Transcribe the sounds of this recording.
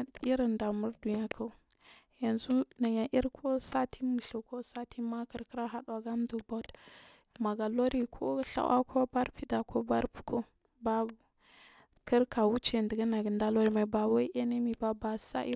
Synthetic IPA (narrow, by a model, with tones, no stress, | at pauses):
i˦ɾə˨nda˨mu˦ɾdu˨ɲa˦kʰa˦˨˦ | ja˨nzu˦na˨ɲa˨ʔi˦ɾkʰo˦sa˦tʰi˦mu˨ɬo˨ko˦sa˦ti˦ma˦kə˨ɾkə˦ɾa˦ɦa˦ɗwa˨ɡa˦n˦du˨ba˦d | ma˨ɡa˨lo˦ɾi˦kʰo̰˦ɬa̰˦wʔa̰˦kʰo˦ba˦ɾpi˨da˨ko˦ba˦ɾpi̥˨ko˦ | ba˦˨ | kə˦ɾka˨wu˦t͡ʃe˨ndə˨ɡə˦na˨ɡə˨nda˦lo˦ɾi˦ma˨i˨ba˨wa˦ʔe˦ne˦mi˨ba˦ba˨sa̰˦ʔḭ˦